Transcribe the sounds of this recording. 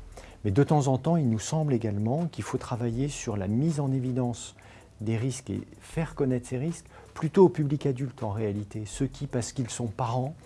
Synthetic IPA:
mɛd̪ət̪ɑ̃zɑ̃t̪ɑ̃ilnusɑ̃bleɡalmɑ̃kʲilfot̪χavajesyʁlamizɑ̃nevid̪ɑ̃s | d̪eʁiskḛfɛʁkɔnɛt̪χseʁisk | plyt̪oːpyblikad̪ylt̪ɑ̃ʁealit̪esəkʲipaʁsə̥kilsɔ̃paʁɑ̃

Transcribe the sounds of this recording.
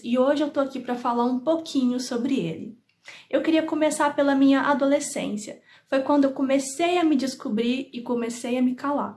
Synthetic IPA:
ɪoʒɪewt̪oakipɾɐfalaɾũpokʰĩɲʊsobɾɪelɪ̰ | ewkɪɾiɐkomesaɾpelɐmĩɲɐʔad̪olesḛ̃siɐ | fojkwɐ̃nd̪ʊewkomesejɐmɪd͡ʒɪskubɾiɾɪkomesejɐmɪkala̰ɾ

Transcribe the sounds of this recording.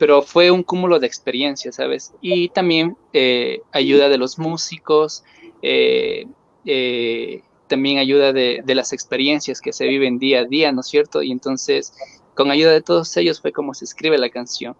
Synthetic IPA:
pe̞ɾo̞fwe̞uŋkumulo̞ðeːkspe̞ɾje̞nsjasa̰βe̞̰sit̪ambje̞n | eaʝuðaðe̞lo̞zmusiko̞s | ḛ | e | t̪ambje̞ŋaʝuðaðeðe̞lase̞kspe̞ɾje̞nsjaske̞se̞β̞iβe̞nd̪iaðiano̞sje̞ɾt̪o̞̰ḭe̞nt̪o̞nse̞s | ko̞ŋaʝuðaðe̞t̪o̞ðo̞se̞ʝo̞sfwe̞ko̞mo̞se̞ːskɾiβe̞lakansjo̞̰ŋ

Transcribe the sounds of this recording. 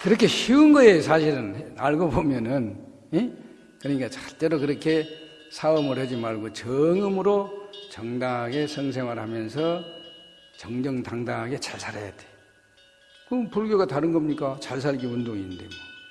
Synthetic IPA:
kɯɾʌkʰe̞çiunɡʌe̞sʰaɕʰiɾɯnaɭɡobomjʌnɯn | e | kɯɲik͈at͡ɕḁɭt͡ɕ͈eɾokɯɾʌkʰe̞ | sʰaʌmɯɭhad͡ʑimaɭɡot͡ɕʌŋɯmɯɾot͡ɕʌŋdaŋɦaɡe̞sʰʌŋs̬ʰe̞ŋwaɾhamjʌnsʰʌ | t͡ɕʌŋd͡ʑʌŋtaŋdaŋɦaɡe̞t͡ɕḁɭsʰaɾa̰ja̰d̥e̥ | kɯpuɭɡjoɡataɾɯnɡʌmɲik͈at͡ɕaɭs̬ʰaʎɡiundoŋidḛo

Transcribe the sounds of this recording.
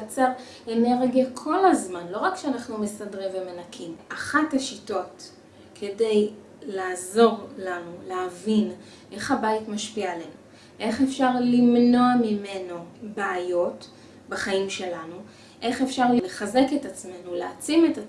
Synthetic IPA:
at͡seʁ | eneʁɡijakʰo̞lazmanlo̞ʁakʃeanaχnumesadʁimvemenakʰimʔaχathaʃito̞t | kʰe̞de̞j | laːzo̞ʁlanuleavin | ʔe̞χhabaitmaʃpiale̞nu | ʔe̞χefʃaʁlimno̞amime̞no̞beːjo̞t | baχaimʃe̞lanu | ʔe̞χefʃaʁlleχaze̞ketat͡sme̞nuleat͡simeta

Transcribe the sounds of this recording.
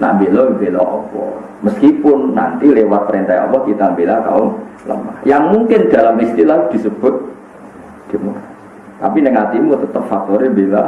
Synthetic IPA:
na̰mbelɔmbelɔɔ̰pɔ̰ | məskipʊnːa̰nt̪ilewat̪̚pəɾent̪aiɔ̰pɔkit̪ambelaka̰olə̰ma̰hjaŋmuŋkɪnd̪̥a̤lamist̪ilahd̪̥i̤səb̥ʊ̤t̪̚ | d̪̥i̤muaa | t̪apinəŋat̪imut̪ət̪əp̚fak̚t̪ɔɾimbela

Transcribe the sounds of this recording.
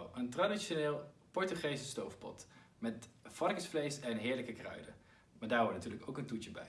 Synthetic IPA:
əntradiʃoneːlˠpɔɹtyχejsəstowfpɔ̰t | mɛtfɑrkəsflejsɛnɦɪːɹləkəkrœ̰ɥdə̰ | maːɹdaːɹɦɔɹtnatyːɹləkowkəntuəbɛ̰j

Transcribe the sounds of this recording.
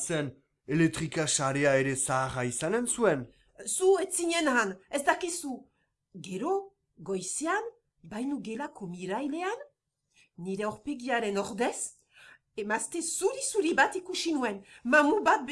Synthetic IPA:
sen | elek̚t̪ɾikaʃaɾeaeɾesaːʁaisanensuen | suet͡siɲenanezd̪akisu | ɡeɾo | ɡojsean | bajnuɡelakomiɾajleanː | iɾeoɾpe̞ɣiaɾenoɾd̪es | emast̪esuɾisuɾiβat̪ikuʃinuenmamubat̪̚b

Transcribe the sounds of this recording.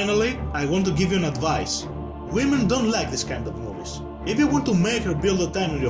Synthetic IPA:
nal̩ˠiajwɔ̃nt̬uɡɪvjuæ̃nadvaɪs | wɪ̃mə̃ndõʊ̃ntlaɪk̚ðɪskãɪ̃ndɔvnovis | ɪfjuwɔ̃nt̪umeɪkhə˞bɪlˠdət̪ãɪ̃mɪ̃njə

